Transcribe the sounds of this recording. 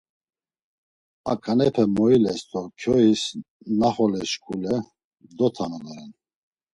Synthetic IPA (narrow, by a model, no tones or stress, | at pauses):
akʼʰanɛpʰɛmɔilɛst̪ʰʼɔkʰjɔis | naχɔlɛʃkʰʼulɛ | d̪ɔt̪ʰanalaɾɛn